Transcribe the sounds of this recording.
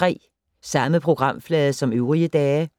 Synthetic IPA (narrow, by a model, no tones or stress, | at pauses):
ʁɛ̰ː | sɑ̈məpʰʁo̝ɡ̥ʁɑ̈m̰flɛːðˠəsɒ̽møʊʁiəd̥ɛː